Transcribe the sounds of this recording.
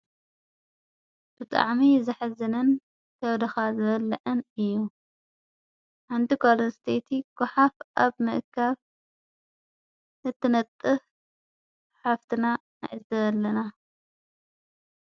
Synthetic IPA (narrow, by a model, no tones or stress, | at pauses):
b̥ɨt̪ʼa̰ʕmizɨħazɐnɐn | kʰɐβd̪ɐxazɨβɐlːɐʕɨnɨjːu | ħant̪ʰikʰolonst̪ʰet̪ʰiɡ̥ʊħafʔaβmɨ̰ʔkʰːaβ | ɨt̪ʰːɨnɐt̪ʼːɨf | ħaft̪ʰɨna | na̰ʕizɐɐlːɐna